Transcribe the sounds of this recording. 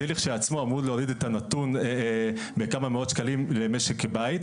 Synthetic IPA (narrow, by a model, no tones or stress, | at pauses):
eleχʃeat͡smoamɾud̪leoɾid̪et̪anat̪un | bekamameo̞d̪ʃkalimlemeʃekːebait̪